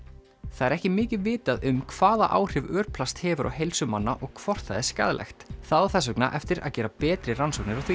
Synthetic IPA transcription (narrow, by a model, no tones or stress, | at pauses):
θaðɛɾɛhcɪmɪːcɪðvɪːt̪aðʏmkʰv̥aːðaʔa̰ːwr̥ɪvœːɾpʰlast̪hɛːvʏɾʔa̰whejlsʏmanːaʔɔɣkʰv̥ɔr̥t̪θaðɛɾ̥ska̰ðlʔɛ̰xt̪θaðaθɛs̬œkna̰ʔɛft̪ɪɾa̰ðcɛːɾapɛːt̪ɾɪransɔwknɪɾawθvi